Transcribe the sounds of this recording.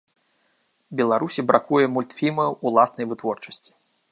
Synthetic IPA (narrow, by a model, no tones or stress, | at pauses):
bʲɛlˠaɾusʲibɾakujɛmulʲt̪fʲimɐulˠasnɐjvɨt̪vɔrt͡ʂɐ̥sʲt͡sʲi̥